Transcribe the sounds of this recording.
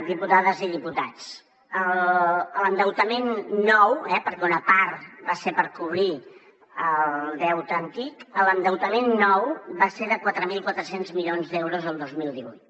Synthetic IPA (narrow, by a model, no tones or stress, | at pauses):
d̪iput̪aðəziðiput̪at͡s | ələlənd̪əwt̪əmenːɔwɛpəɾkɛunəpaɾbasepəɾkuβ̞ɾi | əllˠd̪ɛwt̪ənt̪ikələnd̪əwt̪əmenːɔwbaseðəkwat̪ɾəmilˠkwat̪ɾəsenzmiʎonzðewɾuzəlˠd̪ozmilˠd̪iβujt̪